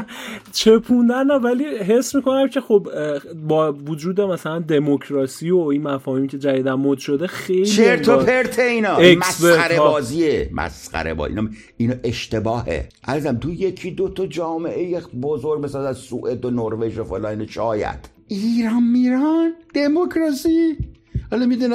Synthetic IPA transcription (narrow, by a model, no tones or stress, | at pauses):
t͡ʃʰe̞pʰũnd̪ænːævæliɦe̞smiːko̞næmcʰe̞xobbɒːvod͡ʒuːd̪emæsælænd̪e̞mocʰɾɒːsiːoinmæfɒːhimcʰe̞d͡ʒæjid̪æmːod̪ʃo̞d̪e̞xejlt͡ʃieɾt̪ʰopʰeɾt̪ʰeiːnɒːemæsbeæɾebɒːziːemæ̰sqæ̰ɾḛbɒ̰ːḭnɑ | inɒʔeʃt̪e̞bɒːhḛʔæɾziæmt̪ʰujekʰid̪ot̪ʰɔd͡ʒɒːmeʔejebozoɾɡ̚besɑzæzsuʔed̪onoɾveʒofolɑineʃɒːjæ̰d̪̥ | iːɾanmiɾænd̪̥emokʰɾɒsi | hɒlɔmid̪un